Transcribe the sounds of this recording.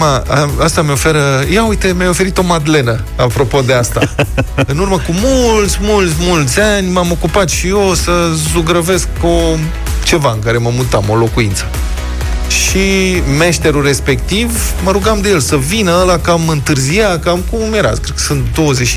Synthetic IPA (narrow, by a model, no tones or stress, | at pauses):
maaast̪ameo̞fe̞ɾəjaujt̪e̞mʲjajo̞fe̞ɾit̪o̞mad̪le̞nə | apɾo̞po̞d̪e̞ast̪a̰ɨnurməkumult̪sʲmult̪sʲmult̪sʲanʲmamo̞kupat̪ʃijosəzuɡɾəve̞sk̚po | t͡ʃe̞vaɨŋkaɾe̞məmut̪amo̞lo̞kuint̪sə̥ | ʃime̞ʃt̪e̞ɾure̞spe̞kt̪iv | məɾuɡamd̪e̞je̞lsəvinəəlakamɨnt̪ɨrzijakamkummjeɾa̰kɾet̪kə̥sɨnt̪d̪o̞wəzet͡ʃʃ